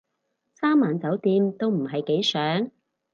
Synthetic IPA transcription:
saː˥mːaː˨˩nt͡sɐ˨˥wt̪iː˧mt̪o˥wm̩˨˩ɦɐ˨jke˨˥jsœː˨˥ŋ

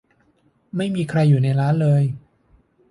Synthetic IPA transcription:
ma˥˩jmiː˧kʰɾa˧jːuː˨˩na˧jɾaː˦˥nlɤː˧j

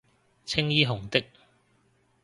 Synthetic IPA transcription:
t͡sʰɪ˥ŋjiː˥ɦʊ˨˩ŋt̪ɪ˥k̚

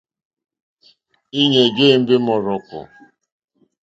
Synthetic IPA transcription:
i˦ɲe˨d͡ʒe˦˨m̩˦be˦mɔ˨ɾɔ˨kʊ̰˨

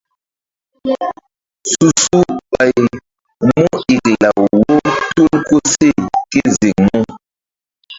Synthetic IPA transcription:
su˨su˦ɓa˨j | mu˦i˨kla˨wo˦tu˦lko˦se˦˨ke˦ze˨ŋmo˦

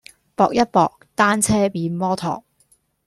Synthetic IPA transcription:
pɔː˨˧k̚jɐ˥t̚pɔː˨˧k̚t̪aː˥nt͡sʰɛː˥piː˨˥nmɔː˥t̪ʰɔ̰ː˨˩k̚

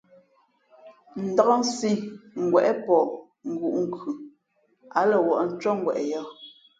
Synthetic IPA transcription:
n̩˨da˨ɔ˦n̩˦si˦ŋ̩˨ɡwɛ˨ʔɛ˦pɔ˨ | ŋ̩˨ɡu˨ʔŋ̩˨kʉ˨ | a˨lɛ˨wɔ˨ʔn̩˦t͡ʃɔ˦ŋ̩˦ɡwɛ̰˨ʔɛ˨jɔ˦˨

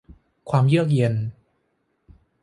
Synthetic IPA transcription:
kʰwaː˧mjɯ˥˩ək̬̚je˧n

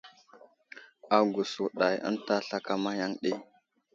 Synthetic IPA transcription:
a˨ɡu˨su˨ɗa˨jə̰˦nta˦ɬa˦ka˦ma˦ja˦ŋɗe˦

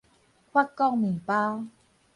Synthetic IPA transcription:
kʰwa˥˩kːɔ˧˨ŋnɯ˨˩paː˧˥

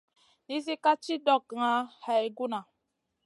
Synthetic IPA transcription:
ni˦si˦ka˦t͡ʃi˦dɔ˨kŋa˨˦ha˨i˨ɡu˦na˨

